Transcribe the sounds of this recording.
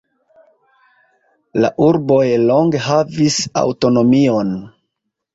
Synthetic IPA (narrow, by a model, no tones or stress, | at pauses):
la̰ʔuɾbo̞jlo̞ŋɡeɦavisa̰wto̞no̞mio̞n